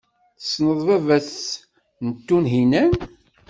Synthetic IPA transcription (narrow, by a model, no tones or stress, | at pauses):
θə̥snəðˤvævæθ | nət̪ːunɦinæn